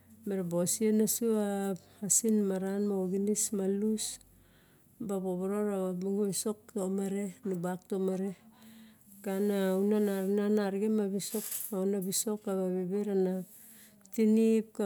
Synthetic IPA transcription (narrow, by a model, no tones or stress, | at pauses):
meɾebosienasua | asinmaɾanmaoɡinismalus | baboβoɾoɾaβabuŋoiso̞k̚tomaɾe̞nubak̚tomaɾe | kanawnanananaɾɡemabiso̞kaonabiso̞kaβaβebeɾana | tinip̚ka